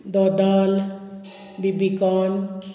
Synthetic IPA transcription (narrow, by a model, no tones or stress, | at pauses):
d̪ɔd̪ɔl | bibikɔn